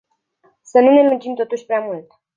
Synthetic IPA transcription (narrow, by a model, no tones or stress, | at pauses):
sənune̞lud͡ʒimt̪o̞t̪uʃʲpɾeamult̪